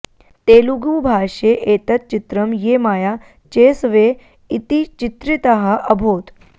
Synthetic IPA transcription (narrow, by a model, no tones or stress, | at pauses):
t̪eluɡubʱaːʂeʔet̪ət̪̚t͡ʃit̪ɾəmjemaːja | t͡ɕeːsʋe | it̪it͡ɕit̪ɾit̪əɦaʔɐbʱoːt̪